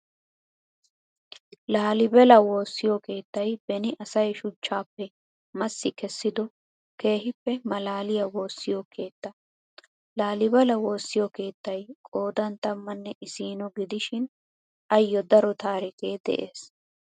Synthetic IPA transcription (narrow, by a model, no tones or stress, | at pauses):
laːlɪbɛlɐwo̞ːsːɪjɔke̞ːt̪ːɐjbɛnɪʔɐsɐjʃʊt͡ʃːaːpːɛ | mɐsːɪkɛsːɪd̪ɔ | ke̞ːɦɪpːɛmɐlaːlɪjɐwo̞ːsːɪjɔkʰe̞ːt̪ːɐ | laːlɪbɛlɐwo̞ːsːɪjɔke̞ːt̪ːɐjkʼo̞ːd̪ɐnt̪ɐmːɐnːɛʔɪsiːnɔɡɪd̪ɪʃɪn | ɐjːɔd̪ɐɾɔt̪aːɾɪkeːd̪ɛ̰ʔeːs